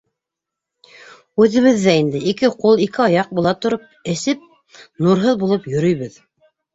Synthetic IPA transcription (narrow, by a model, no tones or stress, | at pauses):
ʉðɘ̆βɘðːæind̪ɘikɘqulˠikɘɑjɑq̚bulˠɑt̪ŏɾop̚ɘ̆sɘp̚ | nuɾɦɤðbulˠɤpjɵ̆ɾɵ̆jβɘð